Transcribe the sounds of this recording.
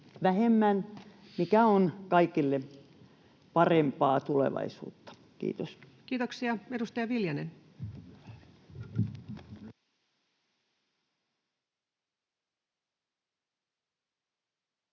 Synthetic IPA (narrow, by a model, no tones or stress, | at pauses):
ʋæhemːæn | mikæonkɑikilːe | pɑrempɑːt̪ulḛʋɑ̰isṵːt̪ːɑ̥ | kḭːt̪os | kiːt̪oksiɑedust̪ɑjɑʋiljɑnen